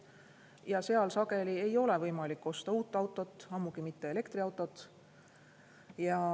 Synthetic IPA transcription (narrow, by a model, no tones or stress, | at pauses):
jɑse̞ɑlsɑɡe̞lie̞jo̞le̞vɤjmɑlikːo̞st̪ɑuːt̪ːˑɑwt̪ːˑo̞t̪ːˑɑmːuɡ̥imit̪ːe̞ele̞kt̪riɑwt̪ːˑo̞t̪ː | jɑ